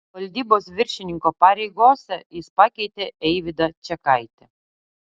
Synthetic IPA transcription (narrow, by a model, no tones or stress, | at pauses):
ʋɐlʲd̪ʲiːboːs̬ʋʲɪɾʲʃʲɪnʲɪŋkopɑːɾʲɛɪɡoːsʲɛjɪspɑkʲɛɪt̪ʲeɛɪʋʲɪd̪ɐt͡ʃʲɛkɐɪt̪ʲɛ